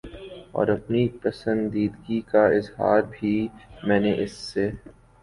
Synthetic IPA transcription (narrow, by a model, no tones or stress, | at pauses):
ɔ̰ːɾɐpnipɐsə̃nd̪iːd̪ɡikaɪzha̰ːɾbʱimɛ̃ːneʔɪsːe